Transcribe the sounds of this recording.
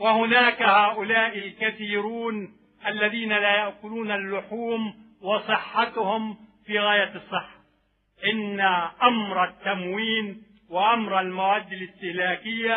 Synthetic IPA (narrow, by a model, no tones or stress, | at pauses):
wahʊnaːkahaːʔʊlaːʔɪlkaθiːɾuːn | ʔalːaðiːnalajaʔkʊluːnalːʊħuːm | wɑsˤɨħːɑt̪hʊmfiːɣaːjasˤːɨħːḁ | ʔɪnːaʔamɾˤat̪ːamwiːn | wɪʔamɾalmawaːd̪ːalɪst̪ɪhlaːkɪjːa